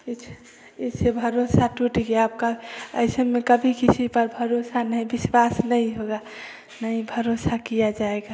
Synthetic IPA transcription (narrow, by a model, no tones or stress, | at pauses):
it͡ʃʰ | it͡ʃʰebʱəɾosaʈuʈɡeap̚kaə̰ɪsəmːekəbʱikisipəɾbʱəɾosanəĩbiswasnəĩɦoɡa | nəĩbʱəɾosakijad͡ʒaeɡa